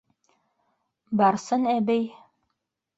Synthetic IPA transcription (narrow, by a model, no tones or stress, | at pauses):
bɑɾsɤnæbɘj